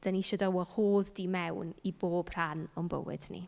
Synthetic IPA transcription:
d̥aniʃɔdawɔhoːðdiːmɛwniboːb̥r̥anɔmbə̰wɪ̰d̥nḭ

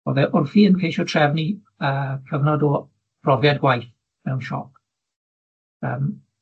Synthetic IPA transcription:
ɔ̰ðɛʔʊnfiənkʰejʃɔtʰrɛvni | əːkʰəvnɔdɔ | b̥rɔvjadɡwajθ | mɛwnʃɔ̰p̚ | əːm

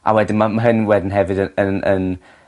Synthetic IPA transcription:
ʔa̰wɛdɪnmamaɦənwɛdɪnɦɛvɨdəənən

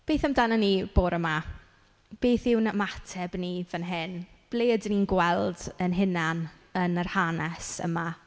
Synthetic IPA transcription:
b̥eːθamdananib̥oːɾəma | b̥eːθɪwnamatʰɛbnivənɦɪnb̥leːədəninɡwɛlˠdənɦɪnan | ənərhanɛsə̰ma

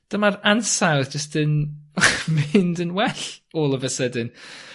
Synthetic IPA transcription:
d̥əmaransawðd͡ʒəstɨn | mɪndənwɛɬoːlˠəvəsədɨn

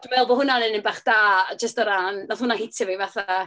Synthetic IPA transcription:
d̥mɛlˠvɔhʊnanənəmbaχd̥aːd͡ʒəstɔɾannɔθhʊnahɪtʰɪvivaθa

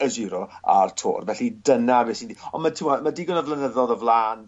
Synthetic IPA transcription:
əziːɾɔa̰rtʰo̰ːrvɛɬidənabeːsindiɔnmatʰimwɔmadiːɡɔnəvlənəðɔðəvlˠaːn

